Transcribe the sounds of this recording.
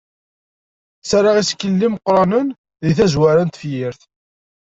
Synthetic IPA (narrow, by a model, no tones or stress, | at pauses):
t͡sːaɾˤɑʁiskːəlːimqːɾˤɑnən | ðiθæzwaɾænt̪fjiɾθ